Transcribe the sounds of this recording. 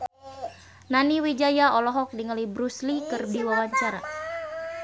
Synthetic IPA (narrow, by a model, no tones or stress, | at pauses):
naniwid͡ʒajaɔlɔɦɔk̚diŋəlibɾuslikərdiwawaɲt͡ʃaɾa̰